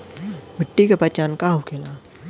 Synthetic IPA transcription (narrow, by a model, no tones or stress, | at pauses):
bʱɪʈːikepɐt͡ʃaːnkaɦukʰeːlaː